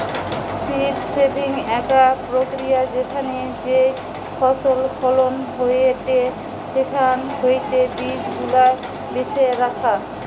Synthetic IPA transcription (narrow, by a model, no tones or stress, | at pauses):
siʈsebʱiŋɛkapɾokɾijad͡ʑekʰaned͡ʑe | fʰɔsolfʰɔlonɦojet̪e | ʃekʰanɦojt̪ebid͡ʑɡʱula | beʃeɾakʰa